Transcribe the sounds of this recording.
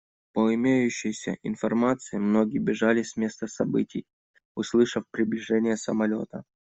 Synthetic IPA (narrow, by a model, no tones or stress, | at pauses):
pəɪmʲejʉɕːɪjsʲə̰ʔɪnfɐrmat̪sɨɪmno̞ɡʲɪjbʲɪʐalʲɪsʲmʲe̞st̪əsɐbɨtʲɪj | ʊslˠɨʂəfpɾʲɪblʲɪʐɛnʲɪjəsəmɐlʲo̞̰t̪ə